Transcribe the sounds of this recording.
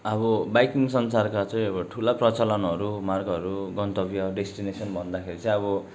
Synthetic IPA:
ʌbʌbajkiŋs̬ʌnsarkat͡sʌ̃jĩʌbʌʈʰulaprʌt͡salʌnʌɾumarɡʌɾuɡʌnt̪ʌbjʌɖesʈinesʌnbʱʌnd̪akʰeɾit͡sʌ̃j̃ʌβʌ

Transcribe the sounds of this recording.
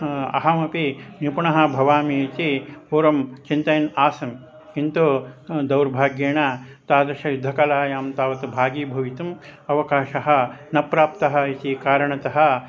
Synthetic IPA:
ɐ̰ɦɐmɐpinipuɳɐɦɐ̆bʱɐʋaːmit̪ipuːɾɐmt͡ʃint̪ɐjɐnaːsɐm | kint̪ud̪ɐwɾbʱaːɡjeːɳaːt̪aːd̪ɐɾʃɐjud̪ʱːɐkɐlaːjaːmt̪aːʋɐt̪ubʱaːɡiːbʱɐʋit̪umɐʋɐkaːʃɐɦɐ̆nɐpɾaːp̚t̪ɐɦɐ̆it̪ikaːɾɐɳɐt̪ɐɦɐ̆

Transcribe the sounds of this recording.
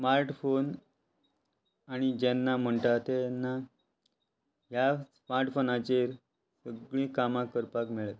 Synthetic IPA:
smaɾʈfon | aɽ̃id͡ʑɛnːam̤əɳʈ̪at̪ɛnːa | ɦjasmaɾʈfonat͡ɕeɾ | səɡɭĩːkamãkəɾpakmeɭət̪

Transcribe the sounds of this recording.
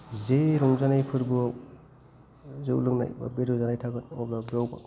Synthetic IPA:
zeɾɔŋzanajpʰɯɾbɯ | zeṵlɯŋna̰jba̰beɾuzanajtʰaɡɯnɔblabawba̰

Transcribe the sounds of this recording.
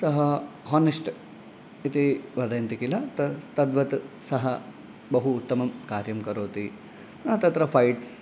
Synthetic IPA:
sɐɦɐɦoːniʂʈ | it̪iʋɐd̪ɐjɐnt̪ikilɐt̪ɐt̪ɐd̪ʋɐt̪sɐɦɐ | bɐɦuːt̪ːɐmɐmkaːɾjɐmkɐɾoːt̪i | nɐɦɐt̪ɐt̪ɾɐfʰɐjʈs

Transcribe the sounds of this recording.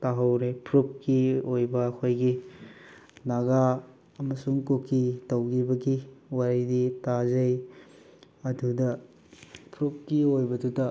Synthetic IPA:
taɦɐwɾepʰɾup̚kiojbɐɐkʰojɡi | naɡa | ɐmɐsuŋkokʰːitɐwɡibɐɡiwaɾiditazɐj | ɐdudɐ | pʰɾup̚kiojbɐdutɐ

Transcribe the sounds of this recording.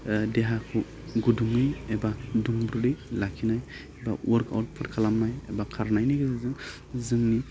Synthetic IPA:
deɦakʰu | ɡuduŋːɯjebaduŋbɾudɯjlakʰinaj | eba̰wʔɔɾkʰa̰wt̚pʰɯtkʰalamnajebakʰaɾnajnajɡɯzazɯŋ | zɯŋni

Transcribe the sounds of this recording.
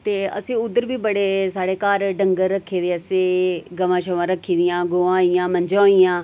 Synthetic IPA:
t̪eːə̰sĩːʊd̪ːəɾbiːbəɽeːsaːɽeːkaːɾɖəŋɡəɾːəkʰːeːd̪eːəseːɡəʋãːʃəʋãːɾəkʰːiːd̪ɪjãːɡoːãːijãːməɲd͡ʒãːijãː

